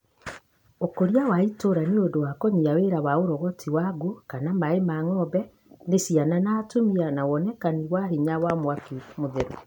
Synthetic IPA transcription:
okoɾiawaitoɾaniodowakɔɲiaweɾawaoɾɔɣɔtʰiwaɡokanamaemaŋɔbɛ | nesiananaːtomianawɔnɛkaniwaɦiɲawamwakimoðeɾu

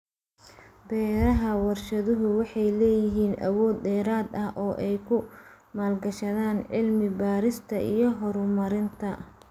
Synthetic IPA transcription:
bɛːɾɐɦɐwɑrʃɐðʊɦʊwɑħɑjlɛːjɪɦiːnʔɐ̰wɔːd̪dɛːɾaːd̪ɐhʔɔːʔɛjkʰʊ | maːlɡɐʃɐðaːnʕɪlmɪbaːɾɪst̪ʰɐʔijɞɦɔɾʊmɐɾɪnt̪ʰɐ

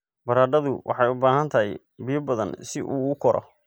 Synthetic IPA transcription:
bɐɾaːɖɐðʊwʔɑ̰ħɑjʊbaːɦɐnt̪ʰɐɦɪj | bɪjɐbɐðɐ̰nsɪʔuːʊkʰɔɾʔɔ̰

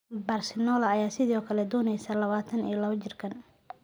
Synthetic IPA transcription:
bɐrsɪnɔːlɐːjaːsɪðiɔːkʰɐlɛd̪ɔːnɛjsalɐβaːt̪ʰɐnḭjlɐβɐt͡ʃɪrkʰɐn

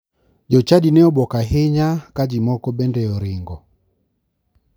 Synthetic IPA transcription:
d͡ʒɔt͡ʃadinɛɔbɔkaɦeɲakad͡ʒimɔkɔbɛndɛɔɾɪŋɡɔ

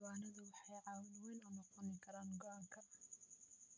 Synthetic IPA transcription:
waːnɐðʊwɑħɑjʕɑːwðwɛnʊːnɔqɔnɪkʰɐɾaːnɡɔʔɐŋkʰɐ

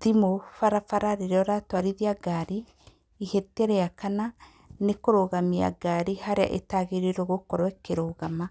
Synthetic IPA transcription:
ðimofaɾafaɾaɾiɾeɔɾatwaɾiðiaɡaɾiː | hetɛɾeakana | nekoɾoɣamia̰ɡaɾihaɾea̰ʔetaɣeɾeɾoɣokɔɾwɛkeɾoːɣama

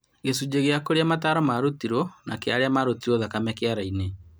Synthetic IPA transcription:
ɣesud͡ʒeɣeakoɾeamataɾɔmaɾotiɾonakeaɾeamaɾotiɾoðakamɛkeaɾaine

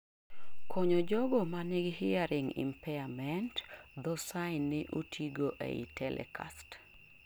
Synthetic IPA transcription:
kʰoɲod͡ʒɔɡɔmanɪɡhɪaɾɪŋḭmpɛamɛntd̪ɔsaɪnːɪʔotʰiɡoʔḛḭtɛlʔɛ̰kʰa̰st

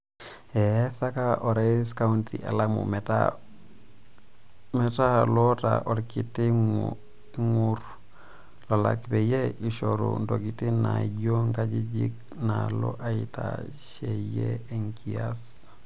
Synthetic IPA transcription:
ɛsakaʔɔɾaskauntʰḭʔalamṵmɛta̰ | mɛtalota̰ʔoɾkiti | ŋuɾ | lala̰kbɛjeʔiʃoɾṵndokitinaɟoŋkad͡ʒid͡ʒḭk̚ | nalo̰ʔaita̰ | ʃejeeŋkias

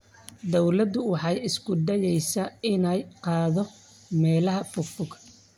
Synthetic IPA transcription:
d̪ɔwlɐd̪ʊwɑħɑjɪskʰʊd̪ɛjɛjsɐɪnɛjqɑːðɔ | mɛːlɐɦɐfʊfʊɡ

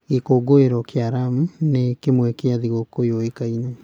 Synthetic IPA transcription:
ɣekoɡoeɾɔkeaɾamunekemwɛkeaðiɣokojoekaine

